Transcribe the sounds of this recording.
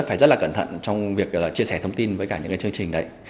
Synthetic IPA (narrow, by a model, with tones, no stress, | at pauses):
faː˧˩jzə˦˥t̚laː˨˩kə˧˩nt̪ʰə̰˧˨nt͡ɕɔ˧wŋ͡mvi˨˩ək̚laː˨˩t͡ɕi˧əsɛ˧˩t̪ʰə˧wŋ͡mt̪i˧nvəː˨˦jkaː˧˩ɨ̰˧˥ŋkaː˨˦t͡ɕɨ˧əŋt͡ɕï˨˩ŋ̟ɗə˨˦j